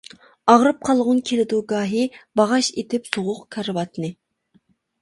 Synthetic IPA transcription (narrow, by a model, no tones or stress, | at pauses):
ɑʁɾɨp̚qʰɑlˠʁʊnkʲʰelɪd̪uɡɑːɦibɑʁɑʃet̪ʰɪpsoʁʊqkʰɑɾɨwɑt̪nɨ